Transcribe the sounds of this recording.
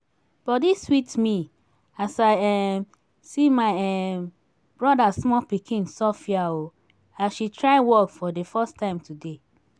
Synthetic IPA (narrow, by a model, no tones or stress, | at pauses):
b̥ɔdiswitmi | asaɪɛ | simaɪɛ | b̥ɹɔdasmɔpikʰĩnsɔfiao | aʃitʰɹaɪwɔkfɔdefɛstʰãɪ̃mtʰude